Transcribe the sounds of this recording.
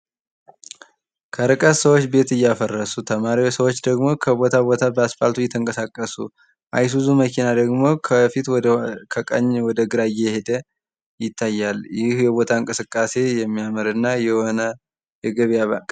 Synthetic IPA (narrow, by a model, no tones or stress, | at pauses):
kʰəɾɨkʼət̪səwot͡ʃːbe̞t̪ɨjːafərːəsut̪ʰəmaɾiwosəwot͡ʃːd̪əɡmo̞kʰəbo̞t̪ʰabo̞t̪ʰabəasfa̰lt̪ʰujɛt̪ʰəŋkʼəsakʼːəsṵ | ʔa̰js̬uzuməkinad̪əɡmo̞kʰəfit̪wkʰəkʼə̰ɲːwɔd̪əɡɨɾajɛhed̪ə | jɪt̪ʰːajːaljɪhjɛbo̞t̪ʰaɨŋkʼɨsɨkʼːase̞jɛmːijamɨɾɨnːajɛhonə | jɛɡəβja